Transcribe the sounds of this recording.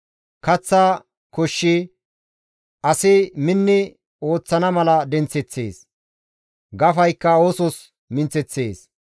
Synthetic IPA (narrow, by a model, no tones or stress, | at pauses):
kɐt͡sːa | kɔʃːɪ | ɐsɪmɪnːɪ | o̞ːt͡sːɐnɐmɐlɐd̪ɛnt͡sɛt͡sːḛːs | ɡɐfɐjkːɐoːsɔs | mɪnt͡sːɛt͡sːe̞ːs